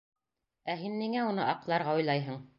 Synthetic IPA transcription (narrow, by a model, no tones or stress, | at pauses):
æɦinːiŋæunɤʔɑqlˠɑɾʁɑujlˠɑjɦɤ̆ɴ